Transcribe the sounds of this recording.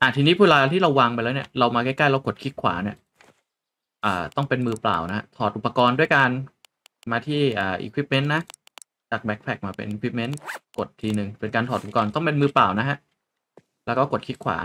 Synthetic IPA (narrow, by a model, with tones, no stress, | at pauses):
ʔa˧˩t̪ʰiː˧ni˦˥pʰuː˥˩laː˧la˧t̪iː˥ɾa˧wːaː˧ŋpa˧ɾɛː˦˥wni˥˩ɐɾa˧wmaː˧kɛ˥˩ka˥˩jlɛ˧wko˨˩t̪̚kʰi˦˥t̪̚kʰwa̰ː˩˦ni˥˩ɐ | ʔəː˨˩t̪ɔ˥˩ŋpe˧nmɯː˧pla̰ː˨˩wna˦˥a˦˥t̪ʰɔː˨˩t̪ʔu˨˩pːa˧kɔː˧ndu˥˩əjkaː˧n | maː˧t̪ʰiː˥˩ʔaː˨˩ʔḭː˧kʰwi˦˥p̚me˦˥nːa˦˥ | t͡ɕaː˨˩k̚bɛ˦˥k̚pʰɛ˨˩k̚maː˧pḛ˧nʔiː˧kʰwi˦˥p̚me˦˥nko˨˩t̪ʰːiː˧nɯ˨˩ŋpe˧nkaː˧nt̪ʰɔː˨˩t̪ʔpa˧kɔː˧nt̪ɔ˥˩pe˧nmɯː˧plaː˨˩wna˦˥kʰa˦˥ʔ | lɛː˦˥wkɔː˥˩ko˨˩kʰi˦˥t̪̚kʰwa̰ː˩˦